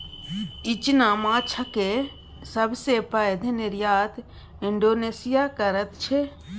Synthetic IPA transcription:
ɪt͡ʃnaːmãːt͡ʃʰake | səbsepəjd̪ʱnɪɾjaːt̪ | ɪɳɖoːneːsɪjakəɾət̪t͡ʃʰe

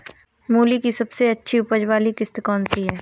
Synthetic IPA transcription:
muːlikisɐbseɐtːʃʰiʊpəd͡ʒwaːlikɪst̪kɔːnsiɦɛː

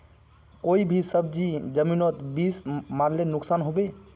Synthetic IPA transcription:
koibʱisəbd͡ʒid͡ʒəminot̪bismaɾlenuksanɦobe

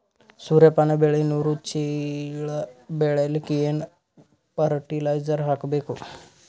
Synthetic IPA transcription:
suɾepanebeɭiinuɾut͡ʃʰiɭbeɭalkijen | pəɾʈilajzəɾɦakbeko

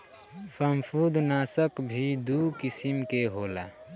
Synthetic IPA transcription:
səmpʰud̪naːsəkbʱid̪ukɪsimkeɦoːla̰

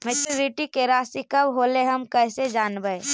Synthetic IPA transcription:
mɛt͡ʃuːɾiʈikeɾaːsikɐbɦoːleɦɐmkəsed͡ʒaːnbəe

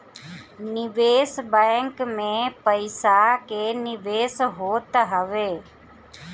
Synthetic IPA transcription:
nɪʋeːsbɛ̃ŋkmẽpəɪsakeːnɪʋeːsɦoːt̪ɦəʋeː

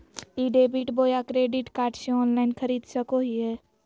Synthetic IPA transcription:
iːɖeːbiʈboːjakɾeːɖiʈkaːɾʈʃẽɔːnlaːɪnkʰəɾiːd̪səkoɦiɦɛː

